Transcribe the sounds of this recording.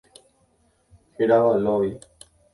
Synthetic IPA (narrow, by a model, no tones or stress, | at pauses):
heɾaʋaloi